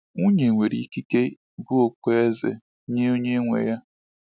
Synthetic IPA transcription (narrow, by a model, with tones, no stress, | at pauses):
ŋu˦ɲe˨ŋʷe˨ɾḭ˨˦ki˦ke˦ | bʊ˦o˨kʷe˦e˦zḛ˨ | ɲe˦o˦ɲe˦ŋʷḛ˨ja˦